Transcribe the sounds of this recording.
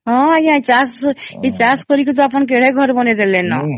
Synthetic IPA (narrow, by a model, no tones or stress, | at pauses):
ɦɔ̃ajãt͡ʃaset͡ʃaskɔɾik̬it̪ɔapɔnk̬eɽ̤eɡʱɔɾbɔned̪elenɔ